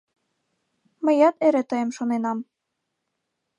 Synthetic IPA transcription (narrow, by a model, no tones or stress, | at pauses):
mɘ̆jɑt̪eɾĕt̪ɤjə̆mʃonenɑm